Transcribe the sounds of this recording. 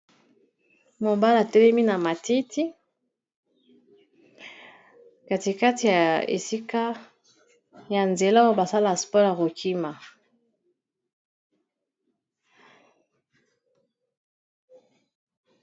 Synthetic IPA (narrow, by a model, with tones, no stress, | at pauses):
mo˨ba˦la˨tɛ˦lɛ˦mi˦na˨ma˨ti˦tʰi˦ | ka˨ti˨ka˦ti˨ja˨ḛ˨si˦ka˦ | ja˨nze˨la˦wa˦ba˨sa˦la˨spɔ˦ja˨ko˨kʰi˦ma˨